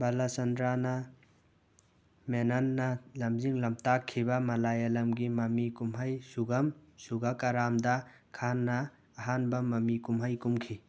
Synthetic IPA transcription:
bɐlasɐndɾanɐ | menɐnːɐlɐmziŋlɐmtakʰːibɐmɐlajɐlɐmɡimɐmikumɦɐjsuɡɐmsuɡakɐɾamdɐ | kʰanːɐː | ɦanbɐmɐmikumɦɐjkumkʰi

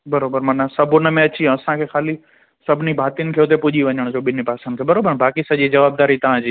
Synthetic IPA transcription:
bɐɾoːbəɾmɐnasɐbʱʊnəmẽɐt͡ɕĩɐsãkʰexaːli | sɐbʱɪnibʱaːt̪iʊnɪ̆kʰeːʊt̪̬epʊʄiʋɐɲəɽ̃d͡ʑoːɓɪnipaːsə̃nd̪kʰeːbɐɾoːbəɾbaːkisɐʄid͡ʑɐʋaːb̚d̪aːɾit̪ɐʋ̤ãd͡ʑiː

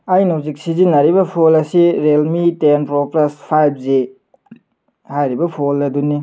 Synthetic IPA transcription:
ajnozik̚sizinɐɾibɐpʰolɐsiɾelmitenpɾoplaspʰajb̚ʰzi | hajɾibɐpʰolɐduni

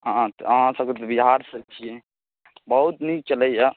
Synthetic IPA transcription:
ɦãt̪əɦãsəb̚ket̪biɦaɾsət͡ʃʰijɛ | bəɦut̪nikt͡ʃələja

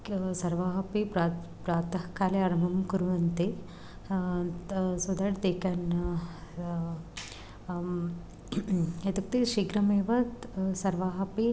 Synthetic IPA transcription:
sɐɾʋaːɦɐpipɾa | pɾaːt̪ɐhkʰaːleɐɾɐmɐmkuɾʋɐnt̪i | sud̪aʈt̪eːkɐn | et̪uk̚t̪iʃiɡɾɐmeːʋɐsɐɾʋaːɦɐpi

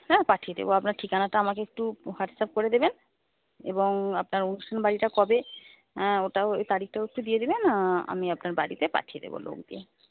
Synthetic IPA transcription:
napaʈʰijed̪ḛboapnaɾʈʰikanaʈaamakeek̚ʈuhaʈsap̚koɾed̪eben | ḛboŋapnaɾonuʃtʈʰanbaɽiʈakɔbẽ | oʈaojt̪aɽik̚ʈaoek̚ʈud̪ijed̪ebenaa̰miapnaɾbaɽit̪epa̰ʈʰijed̪ḛbo̰lo̰ɡd̪ḭe

